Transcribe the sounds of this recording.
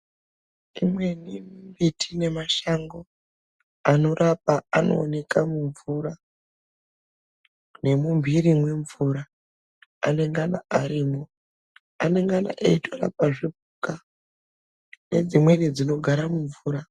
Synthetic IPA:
imwe̞nimumbitʰine̞maʃaŋɡo̞ | ano̞ɾʔapaano̞̰ːne̞kamuɱvuɾa | ne̞mumbʱiɾimwe̞ɱvuɾa | a̰ne̞ŋɡanaʔaɾiːmo | ane̞ŋɡana̰ʔaitʰora̰p̚aʐibʱuka | ne̞d͡zimwe̞nid͡zino̞ɡʱaɾamuɱvuːɾa

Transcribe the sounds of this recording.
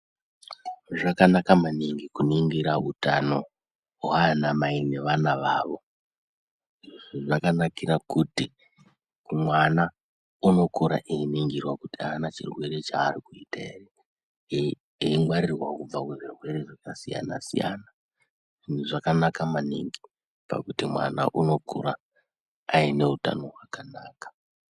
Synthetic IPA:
ʐakanakamaniŋɡikuniŋɡiɾautano̞̰ | wanamaine̞ʋanaʋaːʋo̞ | ʐʐakanakiɾakuti | kumwana | uno̞koɾa̰ʔeiniŋɡirwakutiaːnat͡ʃḭrwe̞ɾe̞t͡ʃaːɾikuitaere | iiŋɡwaɾirwakub͡vakweʐirwe̞ɾeʐakasija̰nasḭja̰na | ʐin̤uʐakanakamanḭŋɡi | pa̰kutimwa̰na̰ʔuno̞kʰṵɾaː | ine̞uta̰no̞ɦwakanaːkḁ

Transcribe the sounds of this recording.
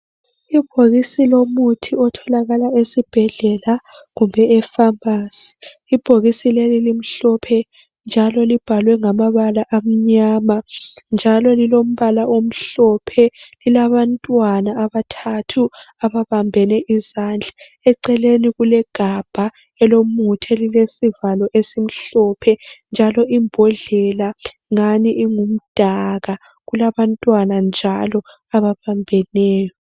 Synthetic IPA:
ib̥ʱoɣisilomutʰiɔtʰɔlaɣalaesib̥ʱɛɮɛla | ɣumbʱɛɛfambaːsi̥ | ib̥ʱoɣisilelilim̩ɬɔpʰɛ | nd͡ʒʱalɔlib̥ʱalwɛŋamaβalaʔam̩ɲaːmand͡ʒʱalɔlilom̩βalaʔom̩ɬɔpʰɛlilaβantʼwanaːβatʰatʰu | aβaβambʱɛnɛʔizand͡ɮʱḁ | ɛǀɛleniɣulɛɡ̥ʱab̥ʱa | ɛlomutʰɛlilesivalɔʔesim̩ɬɔpʰɛnd͡ʒʱalɔimbʱɔɮɛla | ŋaniʔːŋum̩d̥ʱaɣa | ɣulaβantʼwanand͡ʒʱalɔ | aβaβambʱɛnɛːjɔ

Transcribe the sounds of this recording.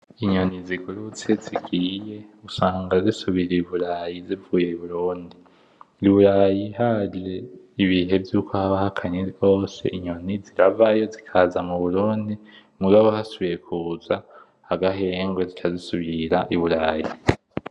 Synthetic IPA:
iɲo̞niziɡuɾut͡se̞ziɡiːje̞usaːŋɡazisuβiɾiβuɾajizivuːje̞iβuɾuːndi | iβuɾajiɦaɾe | iβiɦe̞vjuːkʰo̞haβahakʰaɲeɡo̞ːse̞̰ʔiɲo̞niziɾavajo̞zikʰaːzamuβuɾuːndi | muɡaβohasuβiɾe̞kʰuːza | haɡaɦe̞ːŋɡwezit͡ʃʰazisuβiɾaʔiβuɾaːji

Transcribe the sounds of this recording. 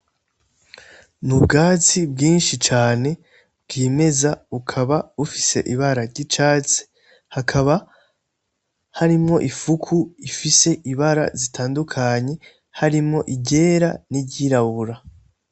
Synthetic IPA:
nubɡaːt͡sibɡiːnʃit͡ʃaːne̞ | bɡ̥iːme̞zaukʰaβaufise̞̰ʔiβaɾaɾɟit͡ʃaːt͡se̥ | hakʰaβa | haɾimŋo̞ʔifukʰuifise̞ʔiβaɾa̰zitʰaːndukʰaɲe̞ | haɾimŋo̞ʔiɟe̞ːɾa̰niɟiɾaβuɾa

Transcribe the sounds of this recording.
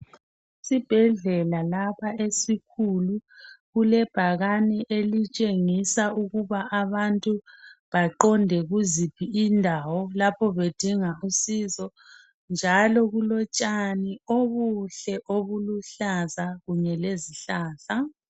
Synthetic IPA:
sib̥ʱɛɮɛlalapʰaesikʰuluɣulɛb̥ʱaɣaniʔelit͡ʃʼeŋisauɣuβaaβantʼuβaǃɔndʱɛɣuzipʰiindʱawɔlapʰɔβed̥ʱiŋausiːzɔ | nd͡ʒʱalɔɣulɔt͡ʃʼanioβuɬɛʔoβuluɬazaɣuɲɛleziɬaːɬa

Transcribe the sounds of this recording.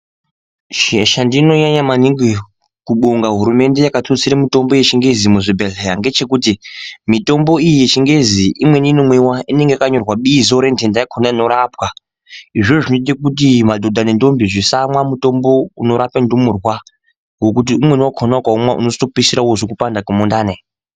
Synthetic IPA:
ʃeʃandino̞ɲaɲamaniŋɡwe | kuɓuŋɡaɦuɾume̞nde̞jakatot͡siɾemito̞mbo̞je̞t͡ʃiŋɡe̞zimuʐibʱeɮejaŋɡe̞t͡ʃe̞kutimito̞mbo̞ijijet͡ʃiŋɡe̞ziimwe̞ninomwewaine̞ŋɡejakaɲo̞rwaɓiːzoɾentendajakʰonaino̞ɾaːpwa | iʐoʐʐinotit̬ekut̬imadʱo̞dʱanendo̞mbiʐisamwamuto̞mbo̞uno̞ɾapendumurwa | ɡo̞kut̬iumwenwakʰonakwaumwaʔṵnostopisiɾawosokupandakumondaːne

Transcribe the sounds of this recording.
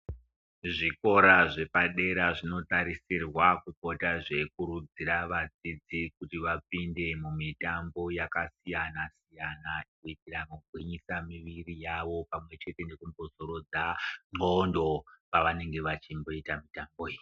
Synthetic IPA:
ʐiko̞ɾaʐe̞paɗe̞ɾaʐino̞taɾisirwakuko̞taʐe̞kuɾud͡ziɾaʋad͡zid͡zikutiʋapinde̞mumitambo̞jakasijanasijanakuitiramoɡʱwiɲisamiʋirijaʋo̞pamwe̞t͡ʃe̞te̞ne̞kumbo̞zo̞ɾo̞d͡zaŋ͡ǃondo̞paʋane̞ŋɡe̞ʋat͡ʃimbo̞itamitamboi

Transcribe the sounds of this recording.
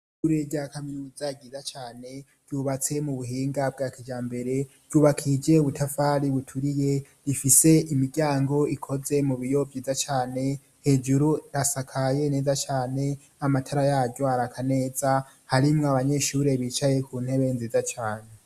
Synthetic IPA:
ʃuɾeɟakaminuzaɡizat͡ʃaːne̞ | ɟ̥uβat͡se̞muβuɦiːŋɡab̚ɡaːkid͡ʒaːmbe̞ɾe̞ɾ̥ɟ̥uːβakʰid͡ʒe̞uβutafaɾiβutʰuɾije̞ | ɾifise̞imiɡaːŋɡo̞ikʰo̞ze̞muβijo̞vjiːvzat͡ʃaːne̞ | he̞d͡ʒuɾuɾasakʰaje̞ne̞ːzat͡ʃaːne̞ | amatʰaɾajaːɟoaɾakʰane̞ːza | haɾimŋoaβaɲe̞ʃuɾe̞βit͡ʃaje̞kuːn̥he̞βe̞nziːzat͡ʃaːne̞

